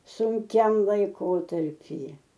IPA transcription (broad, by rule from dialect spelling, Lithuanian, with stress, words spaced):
sʊŋʲˈkʲɛm lˠɐɪˈkoːtɐrʲpʲiːjɛ